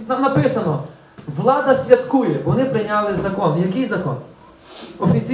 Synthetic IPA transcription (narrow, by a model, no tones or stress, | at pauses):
nɐnɐpɪsɐnɔ | vlˠad̪ɐsʲlʲɐt̪kujɛbʋɔnɪpɾɪɲʲalˠɪzɐkɔnjɐkɪjzɐkɔn | ɔfʲit̪si